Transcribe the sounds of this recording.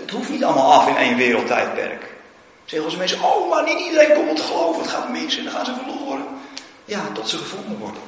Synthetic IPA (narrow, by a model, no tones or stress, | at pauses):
ətɦuftnitɑlˠmalˠɑfɪnejnʋɪːɾəl̩ˠtɛjt̚pɛ̰rk | sɛɣəɔsəmɪnsəowmaninidəɾejnkɔbəlˠtə̥χlowfəətχaːtmɪsɛndɔχaːnzəvəloːɾən | jatɔtsəχəfulˠmutʋɔ̰rdən